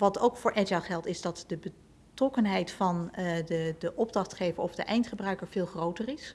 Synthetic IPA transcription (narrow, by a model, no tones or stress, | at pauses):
ʋɑtowkfʊːɹʔɛaχɛlˠtɪzdɑtdəbə | trɔkənɦɛjtfɑndədəʔɔb̚drɑχtχejvəɹɔfdəʔɛjntχəbrœɥkəɹv̥ɪːlˠχrowtərɪs